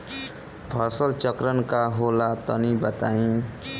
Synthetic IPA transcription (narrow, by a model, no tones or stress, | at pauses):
bʱʌsʌlt͡ʃʌkɾʌnkaɦolat̪ʌnibʌt̪aĩ